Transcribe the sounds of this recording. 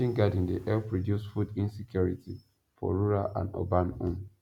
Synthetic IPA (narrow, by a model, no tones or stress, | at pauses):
ĩnɡadĩndiʔɛlpɹodjusfudĩnsikjuɹitʰi | fɔ̰ɹuɹaʔã̰no̰bãnũn